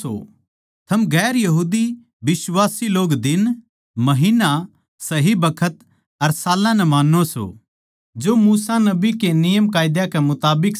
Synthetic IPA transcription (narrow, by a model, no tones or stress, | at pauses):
o̰ | t̪ʰɐmɡɛːɾjɐɦuːd̪i | bɪswaːsiloːɡd̪ɪn | mɐɦiːna | sɐɦibɐkʰət̪ | ɐɾsaːlãnɛmaːnːoso̰ː | d͡ʒoːmuːsanɐbikenɪjəmkaːjd̪jakɛmʊt̪aːbɪk